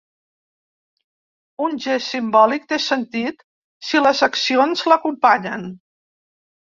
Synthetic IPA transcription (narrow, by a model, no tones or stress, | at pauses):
unʲʒesimbɔlik̚t̪esənt̪it̪ | siləzəksionzləkumpaɲən